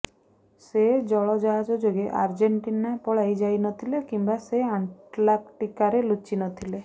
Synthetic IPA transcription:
sed͡ʒɔɭɔd͡ʒɔɦad͡ʒɔd͡ʒoɡeʔaɾd͡ʒeɳʈinapɔɭajd͡ʒajnɔt̪ʰilekimbaseaɳlakʈikaɾelut͡ʃinɔt̪ʰile

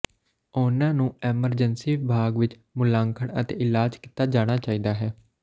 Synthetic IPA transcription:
ʊnãːnũːɛːməɾd͡ʒənsiːʋɪbʱaːɡʋɪt͡ʃ | mʊlãːŋkʰəɳə̰t̪ḛːʔɪlaːd͡ʒkiːt̪aːd͡ʒaːɽ̃aːt͡ʃaːiːd̪aːɦɛː

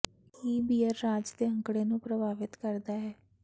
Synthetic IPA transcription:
iːbiːəɾːaːd͡ʒd̪eːə̃ŋkɽeːnũːpɾəbʱaːʋɪt̪kəɾd̪aːɦɛː

